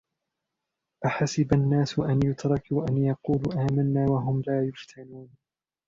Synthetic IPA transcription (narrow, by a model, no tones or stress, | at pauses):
ʔaħasɪbanːaːsʔanjʊt̪ɾˤɑkuːʔanjɑquːluːʔaːmanːaːwaɦʊmlaːjʊft̪ʰanuːn